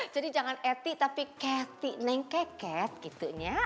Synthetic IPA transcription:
d͡ʒadid͡ʒaŋanɛt̪ɪʔt̪apikɛt̪ɪʔnaɪŋkɛkɛt̪̚kit̪uʔɲa

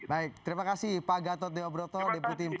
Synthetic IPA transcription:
baɪk̚t̪əɾimakasɪhpaɡat̪ɔt̪̚deɔbɾɔt̪ɔdeput̪imp

